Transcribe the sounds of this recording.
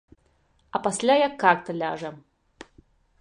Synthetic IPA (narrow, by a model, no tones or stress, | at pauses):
ɐpasʲlʲajakʰːak̚t̪ɐlʲaʐɛ